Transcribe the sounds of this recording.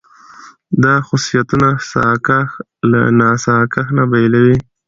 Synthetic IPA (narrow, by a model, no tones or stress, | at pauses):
d̪ɑxʊsijat̪unasa̰kax | la̰nɑsɑkaxnabajlawi